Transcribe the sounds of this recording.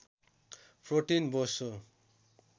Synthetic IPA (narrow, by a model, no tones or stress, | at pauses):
pʰroʈinboso